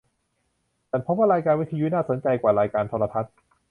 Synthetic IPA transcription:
t̪ɛː˨˩npʰo˦˥mwaː˥˩ɾaː˧jkaː˧nwi˦˥t̪ʰju˦˥naː˥˩so˩˦nt͡ɕa˧jkwaː˨˩ɾaː˧jkaː˧nt̪ʰɔː˧la˧t̪ʰa˦˥t̪̚

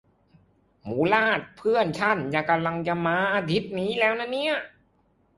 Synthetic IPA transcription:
muː˩˦laː˥˩t̪̚pʰɯ˥˩ənt͡ɕʰa˧˥˩nja˧˩ka˧mla˧ŋt͡ɕa˧maː˧ʔaː˧t̪ʰi˦˥t̪̚niː˦˥lɛː˦˥wna˥˩˨nːi˦˥˩ɐ

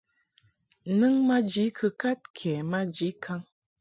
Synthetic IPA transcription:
nɨ˦ŋma˦d͡ʒi˨˦kʰɨ˨ka˦t̚kʰɛ˨ma˦d͡ʒi˨˦kʰa˦ŋ

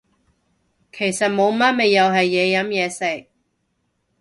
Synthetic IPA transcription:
kʰe˨˩jsɐ˨t̚mo˨˧wmɐ˥t̚me˨jːɐ˨˧wɦɐ˨jːɛː˨˧jɐ˨˥mjɛː˨˧sɪ˨k̚

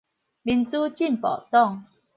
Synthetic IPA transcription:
mi˨˩nt͡su˦t͡ɕi˥˨npɔ̰˨˩t̪ɔ˥˨ŋ

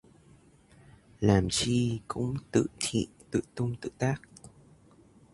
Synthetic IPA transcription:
laː˨˩mt͡ɕi˧kʊ̰˧˥ŋ͡mt̪ɨ̰˧˨t̪ʰḭ˧˨t̪ɨ̰˧˨t̪ʊ˧ŋ͡mt̪ɨ̰˧˨t̪aː˦˥k̚

